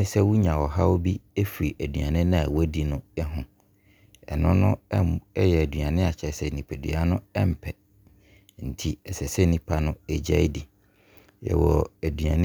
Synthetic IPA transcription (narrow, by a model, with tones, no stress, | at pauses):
sɛ˦wu˦ɲã˨wɔ˨ɦa˦o˦bi˦e˦fi˨ɾi˨ʔæ˨dɥa˨nɪ̃˦nʊ̃˦a˨wɔ˦di˨nʊ̃˦ɛ˦ɦʊ̃˨ | ɛ̰˨nʊ̃˦nʊ̃˦ɛ˦jɛ˨æ˨dɥa˨nɪ̃˦a˨t͡ɕʰɛ˨˦sɛ˨nĩ˨pʰæ˨dɥ̰a˦nʊ̃˦ɛ˦m̩˨pʰɛ˨ | n̩˨tʰi˦ɛ˨sɛ˨sɛ˦nĩ˦pʰa˦nʊ̃˦ɛ˦d͡ʑa˦i˦di˨ | jɛ̰˨wɔ˨æ˨dɥã˨nɪ̃˦